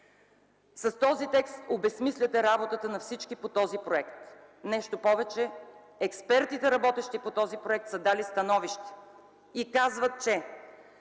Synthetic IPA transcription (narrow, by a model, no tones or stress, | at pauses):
sɐst̪ɔzit̪ɛkst̪obɛsmislʲɐt̪ɛɾabot̪ət̪ənɐfsit͡ʃkipot̪ɔzipɾoɛkt̪ | nɛʃt̪opɔvɛt͡ʃɛ | ɛkspɛɾt̪it̪ɛɾɐbɔt̪ɛʃt̪ipot̪ɔzipɾoɛk̚t̪sɐd̪alist̪ɐnɔviʃt̪ɛ̥ | ikazvət̪̚t͡ʃɛ